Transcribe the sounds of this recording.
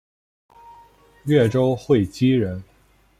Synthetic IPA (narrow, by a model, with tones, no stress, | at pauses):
ɥɛ˥˩ʈ͡ʂo˥ʊxwe˥˩ɪt͡ɕi˥ɻə˧˥n